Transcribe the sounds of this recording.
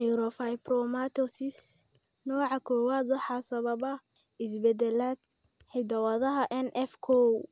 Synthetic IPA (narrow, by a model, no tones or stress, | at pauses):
uɾɔfajprɔmat̪ʰɔsɪsnɔːʕɑkʰɔːwaːd̪wʊħɑsɐβɐbɐ | ɪsbɛd̪ɛlaːd̪̚ | ħɪjd̪ɐwɐðɐɦɐʔɛnɛfkʰɔw